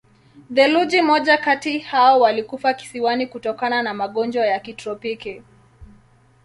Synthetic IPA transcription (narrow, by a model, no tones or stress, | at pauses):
ðɛlud͡ʒimɔʄakatihaɔwalikufaki̥siwanikutɔkananamaɠɔnd͡ʒwajakitɾɔpiki